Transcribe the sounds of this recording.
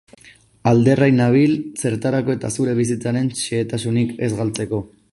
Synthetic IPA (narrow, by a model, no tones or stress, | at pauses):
ald̪e̞rajnaβ̞ilse̞ɾt̪aɾako̞e̞t̪asuɾe̞β̞is̬it͡saɾe̞nʃeːt̪asunike̞̰zɣalt͡se̞ko̞